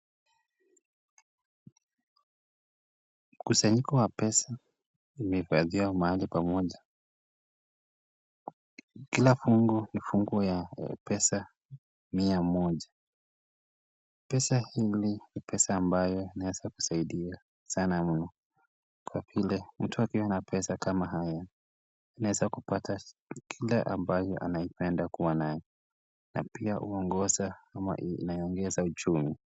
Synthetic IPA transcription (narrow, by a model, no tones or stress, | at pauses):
m̩kusaɲikɔwapɛsa | imɛhifaðiwamaalipamɔʄa | kilafuŋɡɔnifuŋɡɔjapɛsa | miamɔʄa | pɛsahilinipʰɛsaːmbajɔinawɛz̥aku̥saiɗia | sanam̩nɔ | kwavilɛm̩tuakiwanapʰɛsakamaɦaja | anawɛzakupatʰakʰilaʔambajɔʔa̰naipɛndakuwanajɛ | na̰piaʔuɔŋɡɔzaama̰naiɔŋɡɛzaut͡ʃumi